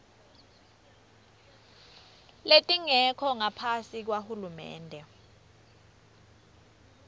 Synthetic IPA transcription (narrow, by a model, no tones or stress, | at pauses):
letʼiŋɛkʰɔŋapʰasik̬wahulumɛ̰ːndʱɛ